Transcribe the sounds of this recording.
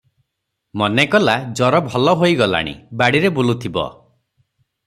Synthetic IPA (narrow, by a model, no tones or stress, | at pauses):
mɔnekɔlad͡ʒɔɾɔbʱɔlɔɦojɡɔla̰ɽ̃ḭbaɽiɾebulut̪ʰibɔ̰